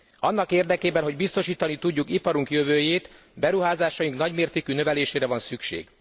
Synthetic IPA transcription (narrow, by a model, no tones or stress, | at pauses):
ɒnːɒkeːrd̪ɛkeːbɛnɦo̞ɟbist̪o̞ʃiːt̪ɒnit̪uɟːukipɒɾuŋkjøvøːjeːt̪ | bɛɾuɦaːzaːʃɒjiŋknɒɟmeːrt̪eːkynø̞vɛleːʃeːɾɛvɒnsykʃḛːɡ̥